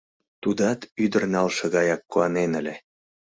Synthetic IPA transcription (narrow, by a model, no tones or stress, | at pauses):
t̪ud̪ɑt̪yd̪ə̆rnɑlʃɤ̆ɣɑjɑkːuɑnenə̆lʲĕ